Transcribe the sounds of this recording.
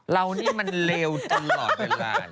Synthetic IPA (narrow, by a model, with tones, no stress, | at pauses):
ɾa˧wniː˥˩ma˧nleː˧wt̪a˧mlɔː˨˩t̪̚eː˧la̰ː˧